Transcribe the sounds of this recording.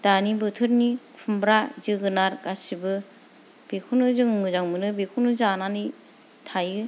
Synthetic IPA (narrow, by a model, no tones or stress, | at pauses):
d̥anibɯtʰɯɾnikʰumbɾazɯɡɯnaɾɡasibɯ | b̥ekʰuwnɯzɯŋmɯzawmɯnɯbekʰuwnɯzananɯ | tʰajɯ